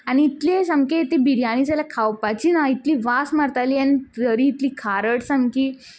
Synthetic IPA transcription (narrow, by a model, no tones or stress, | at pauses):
aniːt̪lesamket̪ibiɾijañit͡salakʰawpat͡ɕiːnait̪liːʋasmaɾt̪aliːaniəɾiːt̪liːkʰaɾəʈsamkiː